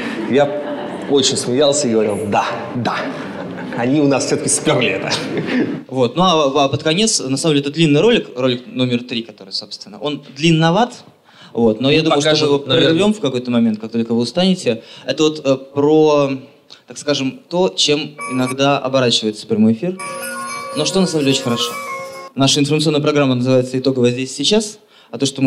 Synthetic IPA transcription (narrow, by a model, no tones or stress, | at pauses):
ja | ot͡ɕɪnʲsmʲɪjalˠsʲəiɡəvɐɾʲilˠd̪a | d̪a | ɐnʲiʊnasfsʲoəkʲɪspʲavlʲɪɛt̪ə | vo̞t̪̚nuaapət̪kɐnʲe̞t̪snɐsamdʲeɛt̪əd̪lʲinːɨjɾo̞lʲɪkro̞lʲɪkno̞mʲɪrt̪ɾʲikɐt̪o̞ɾɨjso̞pst̪vʲɪnːəʔo̞nd̪lʲinːɐvat̪ | vo̞t̪no̞jad̪uməjʊʂoɪrvʲo̞mfkɐko̞jt̪əmɐmʲent̪kakt̪olʲkəvɨʊst̪anʲɪtʲɪɛt̪əvo̞t̪əpɾo | t̪akskaʐɨmt̪o̞t͡ɕe̞mɪnɐɡd̪aʔɐ̰bɐɾat͡ɕɪvəjɪt̪sə̥fpɾʲɪmo̞jɪfʲir | noʂt̪onɐsamdʲeot͡ɕʲɪnʲxəɾɐʂo̞naʂəɪnfərmt̪sɨonːəpɾɐɡɾamːənəzɨvajɪt̪səɪt̪o̞ɡəvəzʲdʲesʲsʲɪt͡ɕas | ɐt̪o̞ʂt̪om